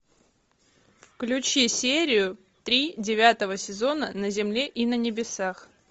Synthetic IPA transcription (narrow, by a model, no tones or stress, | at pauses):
fklʲʉt͡ɕisʲeɾʲɪjʊ | t̪ɾʲidʲɪvʲat̪əvəsʲɪzo̞nənəzʲɪmlʲeʔinənʲɪbʲɪsax